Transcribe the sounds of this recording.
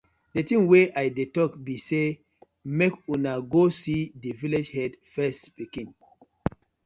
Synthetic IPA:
detĩŋweʔajdetɔkbise | mekunaɡosidiviled͡ʒhɛdfɛstspikĩn

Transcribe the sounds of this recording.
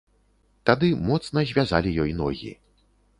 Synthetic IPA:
t̪ad̪ɨmɔt̪snɐzʲvʲazalʲijɔjnɔ̰ɣʲḭ

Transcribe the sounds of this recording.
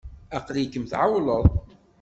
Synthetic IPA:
ɑqlikːəmθʕawləðˤ

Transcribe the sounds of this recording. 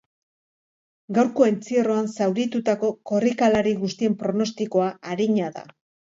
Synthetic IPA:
ɡawɾko̞ent͡siero̞ansawɾit̪ut̪ako̞ko̞rikalaɾiɣust̪ie̞mpɾo̞no̞st̪iko̞aaɾiɲaða̰

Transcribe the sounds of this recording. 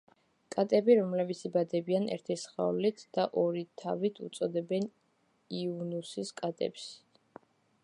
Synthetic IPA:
kʼat̪ʼɛbiɾɔmlɛbit̪sʰibad̪ɛbianɛ̰ɾt̪ʰisχa̰lit̪ʰd̪̥aʔɔɾit̪ʰavit̪ʰṵt̪sʼɔd̪ɛbɛn | iunusiskʼat̪ʼɛ̰ps

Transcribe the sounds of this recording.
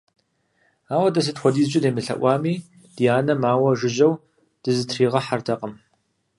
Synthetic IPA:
aːwɐdɐs̬ɨtxʷɔdiːzʒɪdeːmɨɬɐ̰ʔʷɑːmiː | d̥ijaːnɐmaːwɐʒɪʒɐw | d̥ɨzɨtʰriːʁɐħartʰɐqʼəm

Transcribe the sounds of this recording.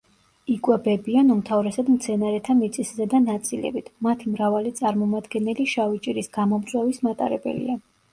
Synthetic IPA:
ikʼwɛbɛbianumt̪ʰavɾɛsad̪mt̪sʰɛnaɾɛt̪ʰamit̪sʼiszɛd̪anat̪sʼilɛ̰bit̪ʰmat̪ʰimɾavalit̪sʼaɾmɔmad̪ɡɛnɛliʃavit͡ʃʼiɾisɡ̥amɔmsʼwɛvismat̪ʼa̰ɾɛbɛ̰lḭa

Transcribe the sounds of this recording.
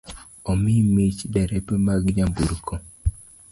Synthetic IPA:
ɔmimet͡ʃdɛɾɛpɛmaɡɲambuɾkʰo

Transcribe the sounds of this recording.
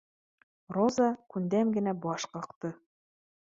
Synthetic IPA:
rozɑkʉnd̪æmɡɘ̆næbɒʃqɤ̆qt̪ɤ

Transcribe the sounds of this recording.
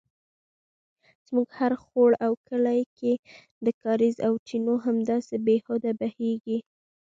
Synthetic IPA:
z̥muɡhaɾxoɽawkəlajkʰe | d̪əkɑɾizawʈinoɦamd̪ɑsebehod̪abaheɡi

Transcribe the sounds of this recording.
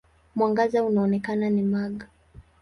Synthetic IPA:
mwaŋɡazaunaɔnɛkananimaɠa

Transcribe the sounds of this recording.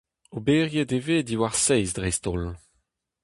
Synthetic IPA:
obeːʁjedeveːdiwaʁsɛjzdʁɛst̪ol

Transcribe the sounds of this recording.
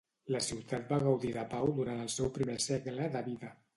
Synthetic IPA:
ləsiwt̪ʰat̪̚baɣəwðiðəpawd̪uɾanəlˠsɛwpɾimesɛɣləðəβiðə

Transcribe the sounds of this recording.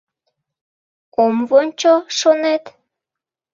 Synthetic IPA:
omvonʲt͡ɕoʃonet̪

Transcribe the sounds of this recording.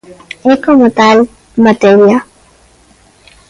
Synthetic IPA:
ekomot̪aːl | mət̪eːɾija

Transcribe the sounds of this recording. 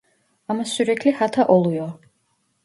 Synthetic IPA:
amasyɾɛkʰlihat̪ʰaʔɔlˠujɔ

